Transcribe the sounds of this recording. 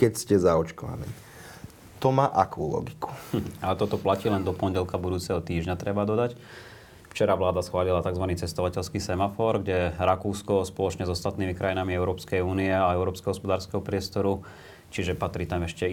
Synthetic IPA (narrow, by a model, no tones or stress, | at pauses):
kɛcscɛzaɔt͡ʃkɔʋa̰nḭː | t̪ɔmaːʔakṵːlɔ̰ɡiku̥alɛt̪ɔt̪ɔplaciːlɛnd̪ɔpɔɲɟɛlkabud̪uːt͡sɛɦɔt̪iːʒɲat̪ɾɛbad̪ɔd̪ac | ft͡ʃɛɾaʋlaːd̪asxʋaːlilat̪aɡzʋaniːt͡sɛst̪ɔʋacɛʎskiːsɛmafɔɾɡɟɛɾakuːskɔspɔlɔt͡ʃɲɛzɔst̪at̪niːmikɾʔajinamiɛʊɾɔːpskɛjuːniɛaɛʊɾɔːpskɛɦɔspɔd̪aːɾskɛɦɔpɾɪɛst̪ɔɾu | t͡ʃiʒɛpat̪ɾiːt̪amɛʃcɛ